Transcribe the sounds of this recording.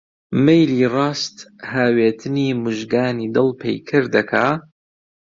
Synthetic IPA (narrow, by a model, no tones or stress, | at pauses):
mejliːrɑːst̪haːweːt̪ʰɨniːmʊʒɡaːniːd̪ɨlˠpʰḛjkʰɨɾd̪ɐkʰaː